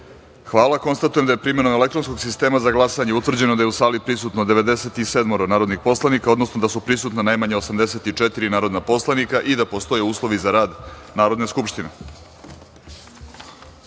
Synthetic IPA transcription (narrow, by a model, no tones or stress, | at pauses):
xʋaːlˠako̞nst̪at̪ujemd̪ajepɾime̞no̞mele̞kt̪ɾo̞nsko̞ɡsist̪e̞ːmazaɡlˠasaɲeut̪vr̩d͡ʑe̞nod̪aje̞usaːlipɾisut̪nod̪eʋe̞d̪eset̪iseːd̪moɾonaːɾo̞d̪nixpo̞slˠanikao̞d̪no̞snod̪asupɾisuːt̪nanajmaɲeosamd̪ese̞t̪it͡ʂet̪iɾinaːɾo̞d̪napo̞slanikaʔid̪apo̞st̪o̞jeuːslˠo̞ʋizaɾaːd̪naːɾod̪neskupʃt̪ine